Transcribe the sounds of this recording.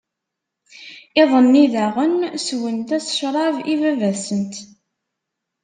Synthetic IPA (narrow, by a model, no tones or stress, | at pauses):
ɪðˤənːiðæʁənswənt̪æsʃɾˤɑvivævæsənt̪